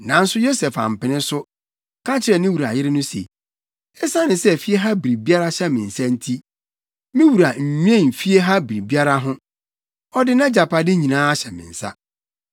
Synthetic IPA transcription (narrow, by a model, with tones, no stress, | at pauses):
nã˨n̩˦sʊ˦jo˦sɛ˨fa̰˨m̩˨pɪ˨nɪ̃˦sʊ˦ | kʰa˦t͡ɕʰɪ˦ɾɛ˨nɪ̃˦wu˨ɾa̰˨jɪ˦ɾɪ˦nʊ̃˦sḛ˨ | ɛ˦sa˦nɪ̃˨sɛ˦˨fi˦e˦ɦa˦bi˨ɾi˨bi˦a˦ɾa˦ɕɛ˦mɪ̃˨n̩˨sã˦n̩˦tʰi˦ | mɪ̃˦wu˨ɾa˨m̩˨ɲᶣ˦ɛ̃˦˨fi˦e˦ɦa˦bi˨ɾi˨bi˦a˦ɾa˦ɦʊ̃˦ | ɔ˦dɪ˦nã˦d͡ʑa˨pʰa˨dɪ˦ɲĩ˨nãː˦a˦ɕɛ˨mɪ̰̃˨n̩˨sa̰˦